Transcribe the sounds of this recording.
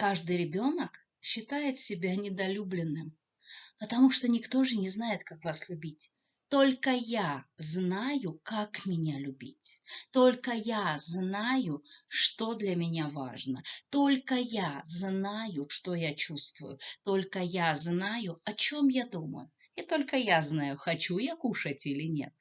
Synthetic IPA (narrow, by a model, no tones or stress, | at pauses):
kaʐd̪ɨjɾʲɪbʲo̞nək | ɕːɪt̪ajɪt̪sʲɪbʲanʲɪd̪ɐlʲublʲɪnːɨm | pət̪ɐmuʂt̪onʲɪkt̪o̞ʐɨnʲɪznajɪt̪kakvaslʲʊbʲitʲ | t̪o̞lʲkəjaznajʊkakmʲɪnʲalʲʊbʲḭtʲt̪olʲkəjaznajʊʂt̪od̪lʲɐmʲɪnʲava̰ʐnət̪o̞lʲkəjaznajʊʂt̪ojat͡ɕust̪vʊ̰jʊt̪olʲkəjaznajʊɐt͡ɕo̞mjad̪umə̰jʊ | it̪o̞lʲkəjaznajʊxɐt͡ɕujakuʂətʲilʲɪnʲe̞̰t̪̚